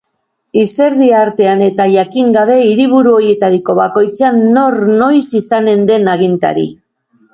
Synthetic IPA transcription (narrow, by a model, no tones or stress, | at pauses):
ise̞ɾðiaɾt̪e̞ane̞t̪aʝakiŋɡaβ̞e̞iɾiβuɾuo̞ɾje̞t̪aɾiko̞βako̞jt͡seanːo̞rno̞jsisane̞nd̪e̞naɣ̞int̪a̰ɾḭ